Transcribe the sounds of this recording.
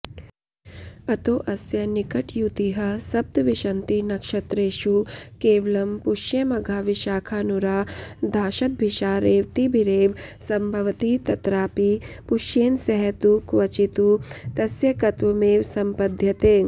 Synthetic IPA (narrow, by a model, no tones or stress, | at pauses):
ɐt̪oːʔɐsjɐnikɐʈjut̪iɦɐsɐb̚d̪ʋiʃɐnt̪inɐkʃɐt̪ɾeːʃukeːʋɐlɐmpuʃjɐmɐɡʱaːʋiʃaːkʰaːnuɾaːd̪ʱaːʃɐt̪̚bʱiʃaːɾeːʋt̪ibʱiɾeːʋsɐmbʱɐʋɐt̪it̪ɐt̪ɾaːpipuʃjeːnsɐɦɐt̪ukʋɐt͡ʃit̪ut̪ɐsjɐkɐt̪ʋɐmeːʋsɐmpɐd̪ʱjɐt̪eː